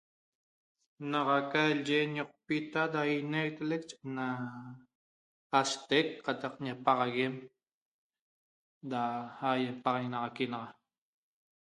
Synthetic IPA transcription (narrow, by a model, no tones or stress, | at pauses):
naʁɑkald͡ʒeɲoq̚pit̪ad̪ainejt̪elek̚t͡ʃe̥na | ast̪ek̚qɑt̪ɑqɲapɑʁɑɣem | d̪ahajapɑʁɑnɑʁɑkinɑʁɑ